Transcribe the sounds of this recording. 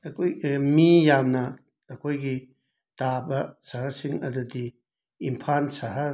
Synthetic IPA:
ɐkʰojmijamnɐː | kʰojɡi | tabɐsɐɦɐɾsiŋɐ̰dudi | impʰansɐɦɐ

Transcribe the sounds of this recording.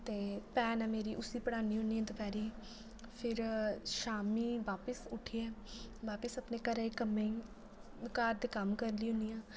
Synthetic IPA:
t̪eːpɛːnɛːmeːɾiːʔʊsiːpəɽaːniːɦʊniːãːd̪ʊpɛːɾiː | pʰɪɾʃaːmiːʋaːpəsʊʈʰiːɛːʋaːpəsəpneːkəɾaːikəmei | ʋɪkaːɾd̪eːkəmkəɾliːɦʊ̃nijãː

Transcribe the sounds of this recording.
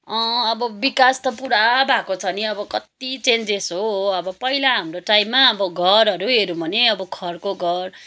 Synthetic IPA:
ʌ̃ʌbʌbikast̪ʌpuɽabʱakot͡sʰʌniʌbʌkʌt̪it͡send͡zesoʌbʌpʌilaɦamɾoʈajmːaʌbʌɡʱʌɾʌɾuɦeɾũbʱʌneʌbʌkʰʌrkoɡʱʌr

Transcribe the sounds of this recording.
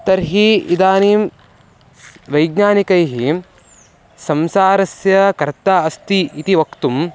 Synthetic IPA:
t̪ɐɾɦiid̪aːniːm | ʋɐjɡɲaːnikɐjɦi | sɐmsaːɾɐsjɐkɐɾt̪aɐst̪iit̪iʋɐkt̪um

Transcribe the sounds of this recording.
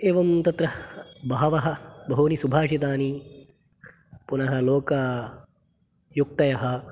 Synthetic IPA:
eːʋɐmt̪ɐt̪ɾɐbaːɐʋɐɦɐ̆bɐɦoːnisubʱaːʂit̪aːni | punɐɦɐ̆loːkɐ | juk̚t̪ɐjɐɦɐ̆

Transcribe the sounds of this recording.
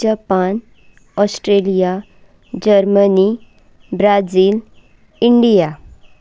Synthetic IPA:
apan | ɔsʈɾelija | d͡ʑəɾməni | bɾad͡ziːl | iɳɖija

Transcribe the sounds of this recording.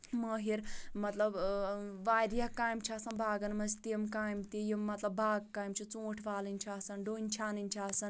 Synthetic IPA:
məɦiɾmɐt̪lɐbʋaːɾjɐkaːjmt͡ʃʰiasɐnbʱaːɡɐnmɐzt̪imkaːjmt̪ijimːɐt̪lɐbbaːɡkaːjmt͡ʃʰit͡sõːʈʰʋaːlinʲt͡ʃʰiaːsɐnɖoːnʲt͡ʃʰaːninʲt͡ʃʰiaːsɐn

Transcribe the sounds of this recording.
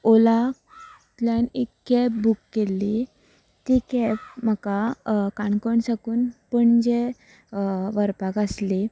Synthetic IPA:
ola | t̪ljanekːɛpbukːelːi | t̪ikɛp̚m̤əkakaɳkəɳsakuːnpəɳd͡ʑe | ʋəɾpakəsli

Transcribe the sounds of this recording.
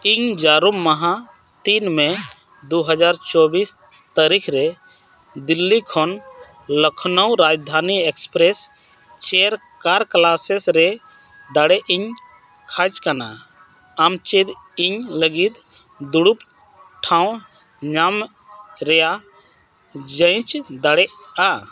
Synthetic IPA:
iɲd͡ʒaɾumːaɦã | t̪inmɛ | d̪uɦəd͡ʒaɾt͡ʃɔbis | t̪əɾikʰɾɛ | d̪ilːikʰɔn | ləkʰnəwɾad͡ʒd̪ʱaniɛkspɾɛs | t͡ʃɛɾ | kaɾklasɛsɾɛ | d̪aɽɛʔiɲ | kʰat͡ʃkana | amt͡ʃid̪iɲləɡit̪ | d̪uɽup | ʈʰãw̃ | ɲam | ɾɛja | d͡ʒəj̃t͡ʃd̪aɽɛʔa

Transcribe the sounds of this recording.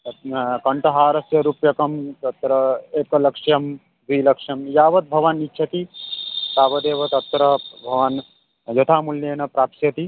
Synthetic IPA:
kɐɳʈɐɦaːɾɐsjɐɾupjɐkɐmt̪ɐt̪ːɾɐeːkɐlɐkʂjɐm | d̪iːlɐkʂjɐmjaːʋɐt̪̚bʱɐʋanitːt͡ʃʰɐt̪it̪aːbɐd̪eːʋɐt̪ɐt̪ːɾɐbʱɐʋan | jɐt̪ʰaːmuljeːnɐpɾaːpsjɐt̪i

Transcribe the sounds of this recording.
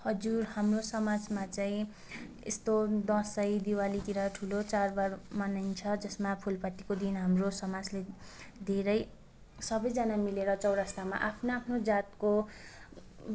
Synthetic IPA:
hʌd͡zurhamrosʌmad͡zmat͡saĩ | ḛst̪od̪ʌsʌjd̪iwalit̪iɾaʈʰulot͡sarbarmʌnajnt͡sʰʌd͡zʌsmapʰulpʌt̪ːikod̪inɦamrosʌmad͡zled̪ʱeɾʌj | sʌbʌjd͡zʌnamileɾʌt͡sʌwɾast̪ama̰ʔapʰnoapʰnod͡zat̪ko

